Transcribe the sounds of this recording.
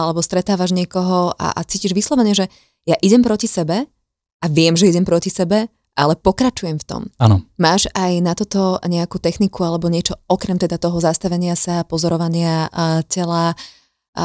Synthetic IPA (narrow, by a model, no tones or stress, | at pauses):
alɛbɔst̪ɾɛt̪aːʋaʒɲɪɛkɔɦɔa̰ʔat͡siːciʒʋislˠɔʋɛɲɛʒɛ | jaʔiɟɛmpɾɔcisɛbɛ | aʋɪɛmʒɛiɟɛmpɾɔcisɛbɛ | ʔalɛpɔkɾat͡ʃujɛmft̪ɔ̰ma̰nɔmaːʒajnat̪ɔt̪ɔɲɛakuːt̪ɛxnikualɛbɔɲɪɛt͡ʃɔɔkɾɛmt̪ɛd̪at̪ɔɦɔzast̪aʋɛɲɪasapɔzɔɾɔʋaɲɪacɛla